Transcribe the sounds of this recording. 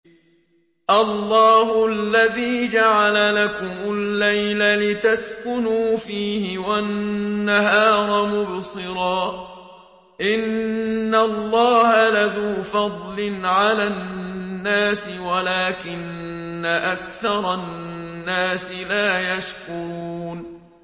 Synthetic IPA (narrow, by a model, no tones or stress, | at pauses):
ʔɑlːɑːhʊʔalːaðiːd͡ʒaʕalalakʊmʊlːajlalɪt̪askʊnuːfiːhɪwaː | aɦɑːɾˤɑmʊbsˤɨɾɑː | ʔɪnːalˤːɑːhalaðuːfɑd̪ˤlɪnʕalaːnːaːsɪwalaːkɪnːaʔak̚θɑɾˤɑː | aːsɪlaːjaʃkʊɾuːn